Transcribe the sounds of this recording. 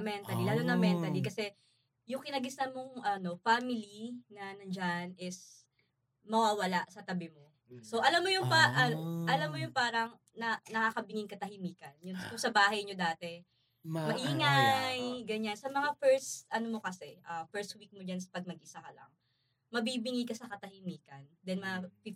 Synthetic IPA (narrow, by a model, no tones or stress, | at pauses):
mɛnt̪ɐlilaːlonɐŋmɛnt̪ɐlikɐsɛ | jʊŋkɪnɐɡɪst̪ɐmoŋʔɐno̞faːmɪlinɐnɐnd͡ʒanʔɪs | mɐwaːwɐlaʔsɐt̪ɐbɪmo̞ | so̞ʔɐlamːojʊŋpaʔɐʔɐlamːojʊŋpaːɾɐŋ | nɐnɐkaːkɐbɪŋɪŋkɐt̪ɐhɪmiːkɐnjʊnkʊŋsɐbaːhɐjɲo̞d̪aːt̪ɛ | mɐʔiːŋajɡɐɲansɐmɐŋafɛɹst̪ʔɐnomo̞kɐsɛʔɐfɛɹst̪̚wik̚mod͡ʒansɐ̥pɐɡ̚mɐɡ̚ʔɪsakɐlɐ̰ŋ | mɐbibɪŋijkɐsɐkɐt̪ɐhɪmiːkɐnd̪ɛnmɐp